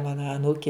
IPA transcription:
ˈmɑːnɐ ɐˈnuːkʲɪ

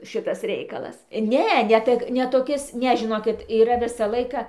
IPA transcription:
ˈʃʲɪtɐs ˈrʲɛɪkɐlˠɐs ˈnʲɛ nʲɛ ˈtək nʲɛ toːˈkʲɪs ˈnʲɛ ʒʲɪˈnoːkʲɪt iːˈrɐ ˈʋʲɪsɐ ˈlˠɐɪkɐ

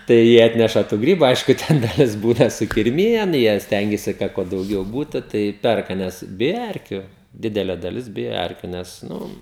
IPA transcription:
tɐɪ ˈjiɛ ˈɑːtʲnʲɛʃɐ tuː ˈɡrʲiːbʊ ˈɐɪʃkʊ ˈtʲɛn dɐˈlʲɪs ˈbuːnɐ sʊkʲɪrʲˈmʲɪjɛn ˈjiɛ ˈsʲtʲɛŋʲɡʲɛsʲɪ ˈkɐt kuɔ dɐʊˈɡʲɛʊ ˈbuːtʊ ˈtɐɪ ˈpʲɛrkɐ ˈnʲɛs ˈbʲɪjɛ ˈɛrʲkʲʊ ˈdʲɪdʲɛlʲɛ dɐˈlʲɪs ˈbʲɪjɛ ˈɛrʲkʲʊ nʲɛs ˈnʊ

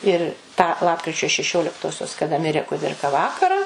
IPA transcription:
ɪr tɑː ˈlˠɑːpkrʲɪt͡ʃʲoː ʃʲɛˈʃʲoːlʲɪktoːsʲoːs kɐˈdɐ ˈmʲɪrʲeː kʊˈdʲɪrkɐ ˈʋɑːkɐrɑː

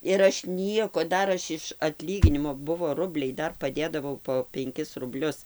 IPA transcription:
ɪr ˈɐʃ ˈnʲiɛkoː ˈdɐr ˈɐʃ ɪʃ ɐtʲˈlʲiːɡʲɪnʲɪmoː ˈbʊʋoː ˈrʊbʲlʲɛɪ ˈdɐr pɐˈdʲeːdɐʋɐʊ poː pʲɛŋʲˈkʲɪs rʊbʲˈlʲʊs

